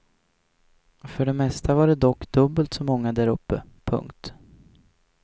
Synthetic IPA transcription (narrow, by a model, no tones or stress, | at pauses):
fœɖɛmɛst̪avaɖɛd̪ɔkːd̪ɵbːəlt̪sɔmɔŋːad̪æɾɵpːəpʰɵ̰ŋkt̪